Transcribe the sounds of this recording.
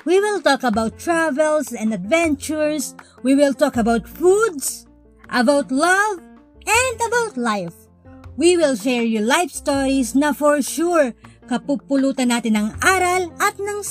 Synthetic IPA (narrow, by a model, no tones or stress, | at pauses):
wiwɪlˠt̪ɔkɐbawt̪ːɹavɛlsɛ̃nd̪ɐd̪vɛnt͡ʃʊɹswiwɪlt̪ɔkɐbawt̪fud̪s | ʔɐbawt̪lɐv | ʔɛ̃nd̪ɐbawt̪lajf | wiwɪlʃɛɹjulajfst̪oɹisnɐfɔɹʃuɹkɐpupʊluːt̪ɐnːaːt̪ɪnɐŋʔaːɾɐlʔɐt̪̚nɐŋ